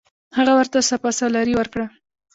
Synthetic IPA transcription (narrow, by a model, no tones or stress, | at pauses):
haɣawəɾt̪asapɑsalɑɾiwəɾkɽa